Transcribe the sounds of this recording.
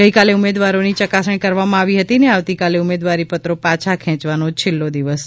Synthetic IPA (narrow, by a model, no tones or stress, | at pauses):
əikaleumed̪ʋaɾonit͡ʃəkasəɳ̃kəɾʋamãaʋiɦət̪ineaʋt̪ikaleumed̪ʋaɾipət̪ɾopat͡ʃʰakʰɛ̃t͡ʃʋanot͡ʃʰɪlːod̪iʋəs